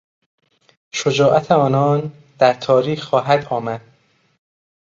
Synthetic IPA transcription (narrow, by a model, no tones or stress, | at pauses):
ʃod͡ʒɒːʔæt̪ʰeɒːnɒːn | d̪æɾt̪ʰɒːɾiːxːɒːɦæd̪ɒːmæd̪̥̚